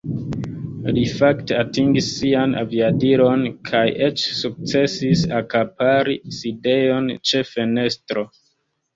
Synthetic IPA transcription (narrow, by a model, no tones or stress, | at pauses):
lifakte̞atiŋɡisːiana̰viadiɾo̞nkʰajʔe̞t͡ʃsuk̚t͡se̞sisakapaɾiside̞jo̞nt͡ʃe̞fe̞ne̞stɾo̞